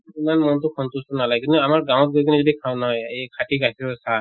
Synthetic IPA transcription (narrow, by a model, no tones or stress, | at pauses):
imanmɔntʊkʰɔntustɔnalaɡkintuamaɹɡãw̃ɔt̚ɡujkʰinɛzɔdikʰaw̃nɔɦɔjejkʰatiɡasiɹsa